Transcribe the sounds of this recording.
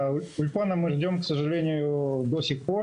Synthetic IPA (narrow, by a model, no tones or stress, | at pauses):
ʊʊlʲpanəmɨʐdʲo̞mksəʐɨlʲenʲɪjʊd̪osʲɪxpo̞r